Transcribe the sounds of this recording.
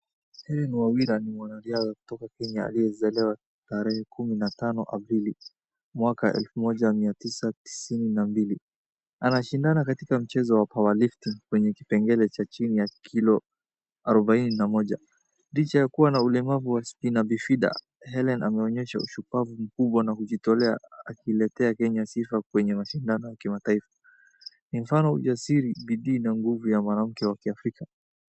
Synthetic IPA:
hɛlɛnwawiɾanimwanaliazaku̥tɔkakɛɲaa̰liɛzɛlɛwa | taɾɛhɛkuminatanɔʔapɾili | mwakaʔɛ̰lfumɔʄamiatisati̥sininambili | anaʃindanakatikam̩t͡ʃɛzɔwapawaliftiŋkwɛɲɛki̥pɛŋɡɛlɛt͡ʃat͡ʃinijakʰilɔ | aɾɔɓaininamɔʄa | lit͡ʃajakuwanaulɛmavuwaspinabifiɗa̰ | hɛlɛnʔa̰mɛɔɲɛʃaṵʃupavum̩kuɓwanakuʄitɔlɛa̰akiːlɛtɛakɛɲasifakwɛɲɛmaʃindanɔjakimataifḁ | nim̩fanɔṵd͡ʒasiɾiɓiɗiːnaŋɡuvujamwanam̩kɛwakiafɾika

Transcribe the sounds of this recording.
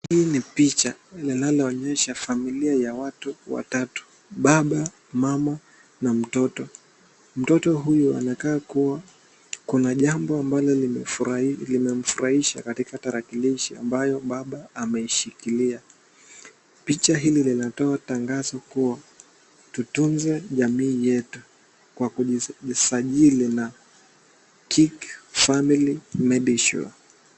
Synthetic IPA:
hiːnipit͡ʃalinalaɔɲɛʃafamiliajawatuwa̰tatu̥ | ɓaɓa | mama | nam̩tɔtɔ | m̩tɔtɔɦujua̰nakaːkuwa | kunaʄambɔambalɔli | limɛm̩fuɾahiʃa̰katikataɾakiliʃia̰mbajɔɓaɓaːmɛiʃikilia | pit͡ʃaɦililinatɔataŋɡazɔkuwa | tutunzɛʄamiːjɛtu | kwakuʄisaʄilina | kʰikfamilimɛɗiʃṵa̰

